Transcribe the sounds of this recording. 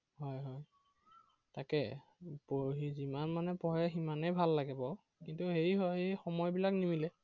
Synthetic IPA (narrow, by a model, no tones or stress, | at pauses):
hɔjɦɔj | takɛboɦizimanmanɛpɔɦɛximanejbʱalːaɡɛbɔ | kintuheiɦɔɦejxɔmɔjbilaknimilɛ